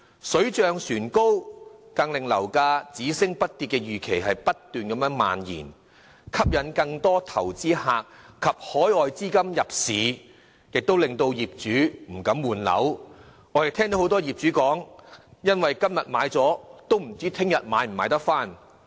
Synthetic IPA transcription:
sɵ˨˥ɥt͡ʃœː˨˧ŋsyː˨˩nko˥wkɐ˧ŋlɪ˨ŋlɐ˨˩wkaː˧t͡siː˨˥sɪ˥ŋpɐ˥t̚t̪ːi˧tkɛ˧jyː˨kʰe˨˩jɦɐ˨jpɐ˥t̪yː˨nkɐ˨˥mjœː˨˥ŋma̰ː˨njḭː˨˩n | kʰɐ˥p̚jɐ˨˥nkɐ˧ŋt̪ɔː˥t̪ʰɐ˨˩wt͡siː˥haː˨˧k̚ʰːɐ˨p̚hɔː˨˥jɔː˨jt͡siː˥kɐ˥mjɐ˨p̚siː˨˧ | jɪ˨k̚t̪o˥wlɪ˨ŋt̪o˧wjiː˨p̚t͡ʃyː˨˥m̩˨˩kɐ˨˥mwuː˨˩nlɐ̰˨˥w | ŋɔ˨˧˥jɐ˨k̚t̪ʰɛː˥ŋt̪o˨˥hwt̪ɔː˥jiː˨˩p̚t͡ʃyː˨˥kɔː˨˥ŋjɐ˥nwɐ˨jkɐ˥mjɐ˨t̚ma̰ː˨˧jt͡sɔː˨˥t̪o˥wm̩˨˩t͡siː˥t̪ʰɪ˥ŋjɐ˨t̚maː˨˧˥jm̩˨˩maː˨˧˥jt̪ɐ˥k̚faː˥˩n

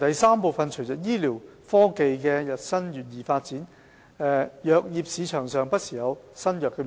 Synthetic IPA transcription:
t̪ɐ˨jsaː˥mpo˨˧wfɐ˨˧nt͡ʃʰɵ˨˩ɥt͡sɐ˨˩t̚jiː˥li˨˩w | fɔː˥ke˨jkɛː˧jɐ˨t̚sɐ˥njyː˨t̚jiː˨˩faː˧t̚t͡siː˨˥n | ɛ˨˧jœː˨˧k̚jiː˨˧p̚siː˨˧t͡ʃʰœː˨˩ŋsœː˨ŋpɐ˥t̚siː˨˩jɐ˨˧wsɐ˥njœː˨kːɛ˧m

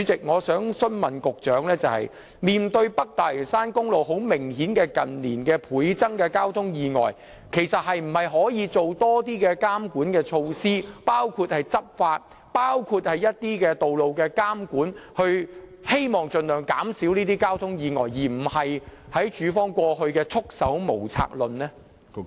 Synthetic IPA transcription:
yː˨˥t͡sɪ˨k̚ŋɔː˨˧sœː˨˥ŋsɵ˥nmɐ˨nkʊ˨k̚t͡ʃœː˨˥ŋlɛː˥t͡sɐ˨whɐ̰˨j | miː˨nt̪ɵ˧ɥpɐ˥k̚t̪aː˨˩ɪ˨˩saː˥nkʊ˥ŋlo˨˩wɦo˨˥wmɪ˨˩ŋhiː˨˥nkɛː˧kɐ˨nliː˨˩nkɛː˧pʰuː˨˥jt͡sɐ˥ŋkɛː˧kaː˥wt̪ʰʊ˥ŋjiː˨˧ŋɔ̰ː˨˩j | kʰe˨˩jsɐ˨t̚hɐ˨jm̩˨˩hɐ˨jɦɔː˨˥jiː˨˧t͡so˨wt̪ɔː˥t̪iː˥kɛː˧kaː˥mkuː˨˥nkɛː˧t͡ʃʰo˧wsiː˥paː˥wkʰuː˧t̚hɐ˨jt͡sɐ˥p̚faː˧t̚ | paː˥wkʰuː˧t̚hɐ˨jjɐ˥t̚t̪iː˥kɛː˧t̪o˨wlo˨wkɛː˧kaː˥mkuː˨˥nhɵ˧ɥhe˥jmɔː˨˩ŋt͡sɵ˨nlœː˨˩ŋkaː˨˥msiː˨˥wniː˥t̪iː˥kaː˥wt̪ʰʊ˥ŋjiː˨˧ŋɔː˨˩jjiː˨˩m̩˨˩hɐ˨jhɐ˨˥jt͡ʃyː˨˥fɔː˥ŋkʷɔː˧hɵ˧ɥkɛː˧t͡sʰʊ˥k̚sɐ˨˥wmo˨˩wt͡sʰa̰ː˧k̚lɵ˨nlɛː˥

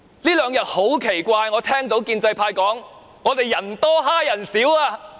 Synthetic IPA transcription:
liː˥lœː˨˧ŋjɐ˨t̚ho˨˥wkʰe˨˩jkʷaː˧jŋɔː˨˧t̪ʰɛː˥ŋt̪o˨˥wkiː˧nt͡sɐ˧jpʰaː˧jkɔː˨˥ŋ | ŋɔː˨˧t̪e˨jːɐ˨˩nt̪ɔː˥ɦaː˥jɐ˨˩nsiː˨˥waː˧

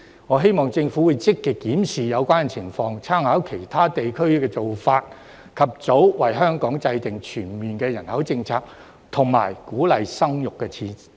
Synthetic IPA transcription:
ŋɔː˨˧ɦe˥jmɔː˨˩ŋt͡sɪ˧ŋfuː˨˥wu˨˧jt͡sɪ˥kːiː˧kːiː˨˥msiː˨jɐ˨˧wkʷaː˥nt͡sʰɪ˨˩ŋfɔː˧ŋt͡sʰaː˥ŋhaː˨˥wkʰe˨˩jt̪ʰaː˥t̪e˨jkʰɵ˥ɥkɛː˧t͡so˨wfaː˧t̚ | kʰɐ˨p̚t͡so˨˥wwɐ˨˩jɦœː˥ŋkɔː˨˥ŋt͡sɐ˧jt̪ɪ˨ŋt͡ʃʰyː˨˩nmiː˨nkɛː˧jɐ˨˩nhɐ˨˥wt͡sɪ˧ŋt͡sʰaː˧k̚ | t̪ʰʊ˨˩ŋma̰ː˨˩jkuː˨˥lɐ˨jsɐ˥ŋjʊ˨kːɛː˧t͡sʰiː˧

